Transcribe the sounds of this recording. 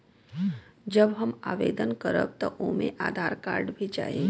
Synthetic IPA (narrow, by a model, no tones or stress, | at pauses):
d͡ʒəbɦɐmaːʋḛːd̪ənkəɾə̰b̚t̪ɔʔoːmḛ̃ʔaːd̪ʱaːɾkaːɾɖbʱid͡ʒa̰ːɦeː